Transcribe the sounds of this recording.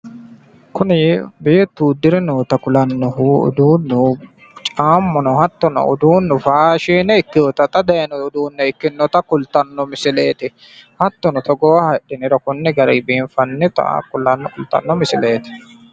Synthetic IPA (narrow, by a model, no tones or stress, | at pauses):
kʊnɪbe̞ːt̪ːuːd̪ɪɾɛnoːt̪ɐkʊlɐnːɔɦuʊ̰d̪uːnːʊ | t͡ʃʼaːmːɔnɔhɐt̪ːɔnɔ̰ɔ̰d̪uːnːʊfaːʃiːnɛɪkːɪɔt̪ɐt̪ʼɐd̪ɐjɐnɔʊd̪uːnːɛɪkːɪnːɔt̪ɐkʊlt̪ɐnːɔmɪsɪleːt̪ɪ | hɐt̪ːɔnɔt̪ɔɡɔwɐhɐɗɪnɪɾɔkʊnːɛɡɐɾɛ̰ːbeːnfɐnːɪt̪ɐ̰kʊlɐnːɔkʊlt̪ɐ̰nːɔmɪsɪleːt̪ɪ̥